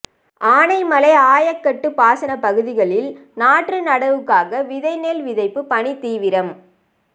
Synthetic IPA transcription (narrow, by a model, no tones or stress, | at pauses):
ʔaːɳɐɪmɐlɐɪaːjɐkːɐʈːɯpaːsɐnɐpɐɣɯðɪɣɐɭɪlnaːʈrɯnɐɽɐʋɯkːaːɣɐʋɪðɐɪneːlʋɪðɐɪpːɯpɐɳit̪iːʋɪɾɐm